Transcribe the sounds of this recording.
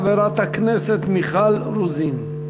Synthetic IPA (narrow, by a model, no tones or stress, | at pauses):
veɾat̪haknɛset̪miχalɾuzin